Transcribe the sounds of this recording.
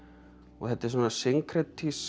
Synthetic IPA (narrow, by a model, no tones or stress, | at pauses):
ɔ̰ɣθɛt̪ɪɾ̥s̬aːnːasɪŋkʰɾɛt̪ʰis